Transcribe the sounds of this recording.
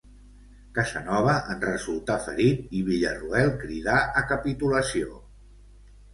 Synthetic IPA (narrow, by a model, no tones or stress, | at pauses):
kəzənɔβ̞əʔənrəzulˠt̪afə̰ɾit̪̚iβ̞iʎəruɛlˠkɾið̞aʔəkəpit̪uləsio